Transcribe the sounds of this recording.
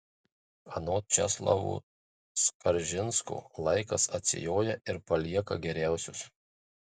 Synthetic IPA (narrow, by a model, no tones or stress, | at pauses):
ɐnoːt͡ʃʲɛslˠɐ̰ʋṵː | skɐɾʲʒʲɪnsko̰ːlˠɐɪkɐsɐt̪ʲsʲɪ̰joːjɛʔɪɾpɐlʲiɛkɐɡʲɛɾʲæˑʊsʲʊs